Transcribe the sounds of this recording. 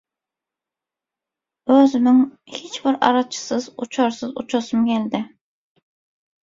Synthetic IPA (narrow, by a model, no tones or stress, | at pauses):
øzɪnɪŋhet͡ʃbɪɾɑ̰ɾɑt͡ʃʰɪ̥sɨzut͡ʃʰɑɾsɨzut͡ʃʰɑsɨmkʲʰɛld̪ɪ